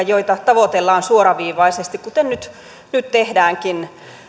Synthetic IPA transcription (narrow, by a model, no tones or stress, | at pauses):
joit̪ɑt̪ɑʋot̪elːɑːnsuoɾɑʋiːʋɑisest̪ikkut̪ennyt̪ | nyt̪t̪ehdæːŋkin